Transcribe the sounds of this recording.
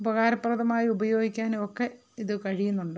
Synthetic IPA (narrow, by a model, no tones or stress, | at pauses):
ubɐɣaːɾɐpːrɐðɐmaːjiubɐjo̞ːɡikʲːaːnokːe̞ | iðɨkɐɻijunːuɳɖɨ